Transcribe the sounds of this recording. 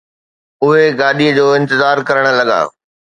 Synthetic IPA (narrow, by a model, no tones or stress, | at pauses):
ʊɦeɡaːɗiəd͡ʑoːɪ̃nt̪ɪzaːɾkɐɾəɽ̃̆lɐɠa̰ː